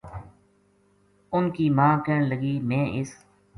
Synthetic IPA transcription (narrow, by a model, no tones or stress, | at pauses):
ʊnkiːmãːkeːɳləɡiːmẽːʔɪs